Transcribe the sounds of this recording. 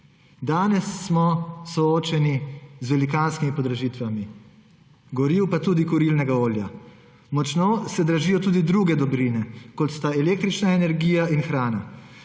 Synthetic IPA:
d̪aːnɛsːmɔsɔoːt͡ʃɛnizʋɛlikaːnskimipɔd̪ɾaʒiːt̪ʋami | ɡɔɾiːwpat̪uːd̪ikɔɾilnɛɡaoːlja̰ | mɔt͡ʃnoːsɛd̪ɾaʒiːjɔt̪uːd̪id̪ɾuɡɛd̪ɔbɾinɛkɔt̪st̪aɛleːk̚t̪ɾit͡ʃnaɛnɛɾɡiːjaʔinxɾaːna

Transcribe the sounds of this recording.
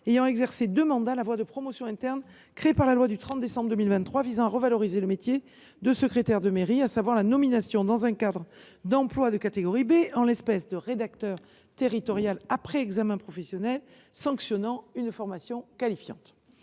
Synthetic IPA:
ejɑ̃ɛɡzɛʁsed̪ømɑ̃d̪alavwad̪əpχɔmɔsjɔ̃ɛ̃t̪ɛʁn | kχeepaʁlalwad̪yt̪χɑ̃t̪̚d̪esɑ̃bʁd̪əmilvɛ̃nt̪ːχwavizɑ̃aʁəvalɔʁizeləmet̪je | d̪əsəkχet̪ɛʁd̪əmeʁiasavwaʁlanɔminasjɔ̃d̪ɑ̃zɛ̃kad̪ʁ | d̪ɑ̃plwad̪əkat̪eɡɔʁibeɑ̃lɛspɛsd̪əʁed̪ak̚t̪œʁ | t̪eʁit̪ɔʁjalapχɛɛɡzamɛ̃pχɔfɛsjɔnɛl | sɑ̃ksjɔnɑ̃ynfɔʁmasjɔ̃kalifjɑ̰̃t̪

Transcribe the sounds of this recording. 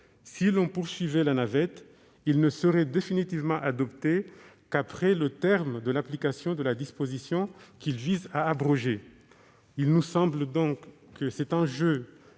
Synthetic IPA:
silɔ̃puʁsɥivɛlanavɛt̪ | ilnəsəʁɛd̪efinit̪ivmɑ̃ʔad̪ɔpt̪e | kapχɛlət̪ɛʁmd̪əlaplikasjɔ̃d̪əlad̪ispozisjɔ̃kilvizaːbʁɔʒe | ilnusɑ̃bld̪ɔ̃kː | əsɛt̪ɛ̃ʒø

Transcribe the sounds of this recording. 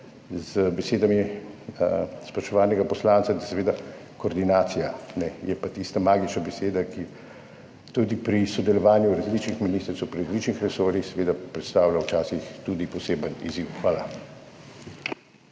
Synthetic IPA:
zbɛseːd̪amjɛ | spɾaʃɔʋaːnɛɡapɔslaːntsad̪asɛʋeːd̪a | koːɾd̪inaːt̪sijanɛjɛpat̪ist̪amaːɡit͡ʃnabɛseːd̪aki | t̪ud̪ipɾisɔd̪ɛlɔʋaːnjuɾazliːt͡ʃnixminiːst̪ɾt̪ɔwpɾiɾazlit͡ʃnixɾɛsoːɾixsɛʋeːd̪apɾɛt̪st̪aːwlʲawt͡ʃaːsixt̪ud̪ipɔseːbənḭziwxʋaːla

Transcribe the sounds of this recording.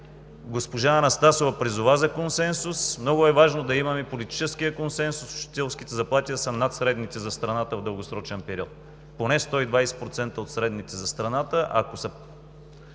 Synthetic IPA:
ɡospoʒaɐnɐst̪asovɐpɾizʊvazɐkonsɛnsusmnɔɡʊɛvaʒnod̪ɐimɐmɛpolit̪i̥t͡ʃɛskijəkonsɛnsusʊ̥ʃi̥t̪ɛlˠsk̟it̪ɛzɐplˠat̪ʲiəsɐnat̪sɾɛd̪nit̪ɛzɐst̪ɾɐnat̪əvd̪əlˠɡosɾɔt͡ʃɛnpɛɾʲiɔt̪̚ | ponɛst̪ɔid̪vajsɛ̥pɾot̪sɛnt̪əot̪sɾɛd̪nit̪ɛzɐst̪ɾɐnat̪əʔɐkosɐ

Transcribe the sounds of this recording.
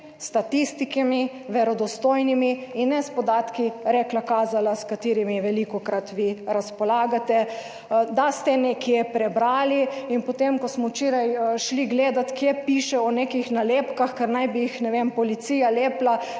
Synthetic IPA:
st̪at̪ist̪ikimi | ʋɛɾɔd̪ɔst̪oːjnimiinːɛspɔd̪at̪kiɾɛklakaːzalaskat̪iːɾimiʋɛlikɔkɾat̪ʋiɾaspɔlaːɡat̪ɛ | d̪ast̪ɛnɛkjɛpɾɛbɾaːliinpɔt̪emkɔsmɔwt͡ʃeːɾajʃliɡleːd̪at̪kjepiːʃɛɔnekixnaleːpkaxkɛɾnajbiixnɛʋempɔlit̪siːjaleːpla

